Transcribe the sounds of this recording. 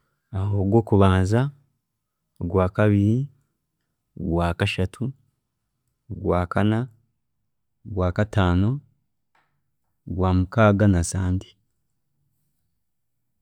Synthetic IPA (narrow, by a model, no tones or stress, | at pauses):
ahoɡwo̞ːkuβaːnza | oɡwaːkaβiɾi | oɡwaːkaʃatʰu | ɡwaːkana | ɡwaːkataːno̞ | ɡwaːmukaɡanasaːndi